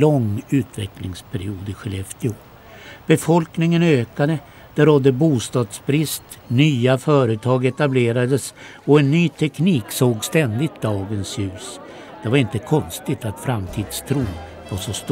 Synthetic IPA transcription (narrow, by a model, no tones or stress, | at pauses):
lɔŋʉ̟ːt̪vɛklɪŋspʰæɾɪuːd̪ɪɧɛlɛft̪ɪʊː | b̥ɛfɔlknɪŋənøːkad̪ə | d̪̥ɛɾɔd̪ːəbuːst̪ɑːd̪sbɾɪst̪ | nyːafœːɾət̪ʰɑːɡɛt̪ableːɾad̪əs | ɔɛnːyːt̪ʰɛkniːksoːɡst̪ɛnd̪ɪt̪̚d̪ɑːɡənsjʉ̟ːs | d̪̥ɛvaɾɪnt̪əkʰɔnst̪ɪt̪at̪fɾamt̪ʰiːd̪st̪ʰɾuːn | vaʂɔst̪